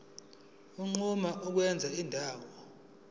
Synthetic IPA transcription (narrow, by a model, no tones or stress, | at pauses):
uŋ͡ǃumaʔuk̬wɛnd͡zʱaindʱaːwɔ